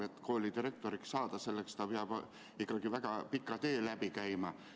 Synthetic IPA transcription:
et̪ːko̞ːlid̪iɾe̞k̚t̪o̞ɾikssɑːd̪̥ɑse̞lːekst̪ɑpeɑb̥ | ikːˑɑɡ̥ivæɡ̥ɑpikːˑɑt̪e̞ːlæbikæjmɑ

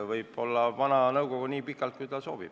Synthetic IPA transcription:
vɤjb̥o̞lːɑvɑnɑnɤwko̞ɡ̥uniːpikːˑɑlt̪̚kujt̪ɑso̞ːb̥ḭb̥

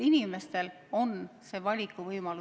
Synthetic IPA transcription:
inime̞st̪e̞l | o̞nse̞ːvɑlʲikːˑuvɤjmɑlu

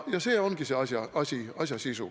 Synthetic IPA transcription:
jɑseɔnɡ̥iseɑsɑɑsiɑsjɑsisu

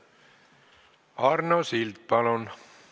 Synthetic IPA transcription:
ɑrnosilt̪̚pɑlon

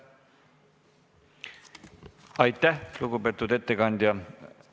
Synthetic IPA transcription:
ɑjt̪ːˑæhluɡube̞ːt̪ːˑud̪e̞t̪ːekɑnʲd̪̥ʲjɑ

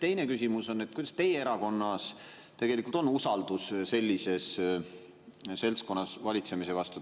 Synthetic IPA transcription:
t̪e̞jne̞kysʲimuso̞nːet̪̚kujd̪ɑst̪e̞jeeɾɑko̞nːɑs | t̪e̞ɡ̥elikːˑult̪o̞nusɑld̪usse̞lʲːise̞s | se̞lsko̞nːɑsvɑlʲit̪se̞mise̞vɑst̪u

